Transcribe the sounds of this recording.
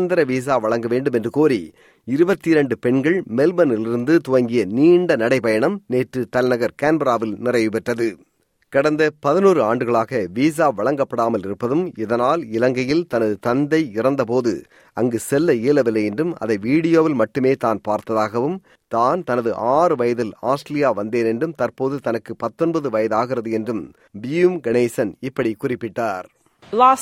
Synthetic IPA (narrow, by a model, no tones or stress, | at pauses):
nd̪ɐɾɐʋiːs̬aːʋɐɭɐŋɡɐʋeːɳɖɯmɛndrɯkoːɾi | ɪɾɯbɐt̪ːɪɾɛɳɖɯpɛɳɡɐɭmɛlbɐnɪlɪɾɯnd̪ɯt̪ʊʋɐŋɡɪjɐniːɳɖɐnɐɽɐɪpɐjɐɳɐmneːʈrɯt̪ɐlnɐɣɐɾkaːnbɐɾaːʋɪlnɪrɐɪʋɯpɛʈrɐðɯ | kɐɽɐnd̪ɐpɐðɪnuːɾɯaːɳɖɯɣɐɭaːɣɐʋiːs̬aːʋɐɭɐŋɡɐpːɐɽaːmɐlɪɾɯpːɐðɯmɪðɐnaːlɪlɐŋɡɐjɪlt̪ɐnɐðɯt̪ɐnd̪ɐɪɪrɐnd̪ɐp̬oːðɯ̰ | ɐŋɡɯsɛlːɐeːlɐʋɪlːɐjɛndrɯmɐ̰ðɐɪʋiːɽɪjoːʋɪlmɐʈːɯmeːt̪aːnpaːɾt̪ɐðaːɣɐʋɯm | t̪aːnt̪ɐnɐðɯʔaːrɯʋɐjɐðɪlaːsʈɐlɪjaːʋɐnd̪eːnɛnɖrɯmt̪ɐrpoːðɯt̪ɐnɐkːɯpɐt̪ːɔnbɐðɯʋɐjɐðaːɣɪrɐðɯɛndrɯm | bɪjumɡɐneːsɐnɪpːɐɽikʊrɪpːɪʈːaːɾ | la